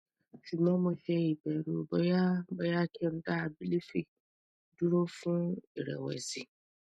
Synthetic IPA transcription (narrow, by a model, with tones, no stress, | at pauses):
fi˨mã˦mʊ̃˨fɛ˦˨i˨bɛ˨ɾu˨bɔ˦ja˦bɔ˦ja˦kʰɛ˦m̩˦da˦˨bi˦li˦fi˨ | du˦ɾo˦fʊ̃˦e˨ɾɛ̰˨wɛ̰˨zi˨